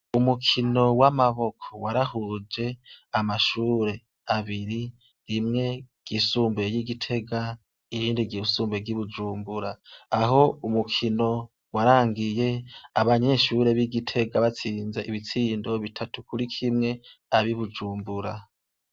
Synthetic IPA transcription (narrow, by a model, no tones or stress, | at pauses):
umukʰino̞wamaβo̞kʰowaɾahud͡ʒe̞amaʃuːɾe̞ | aβiɾi | ɾimŋe̞ɡ̥isuːmbe̞jiɡitʰe̞ɡa | iɾiːndiɡiusuːmbeɡiβud͡ʒuːmbuɾaːɦo̞umukʰino̞ | waɾaːŋɡije̞aβaɲe̞ʃuɾe̞βiɡitʰe̞ɡaβat͡siːnze̞ʔiβit͡siːndo̞βitʰatu̥kuɾikʰimŋe̞aβiβud͡ʒuːmbuɾa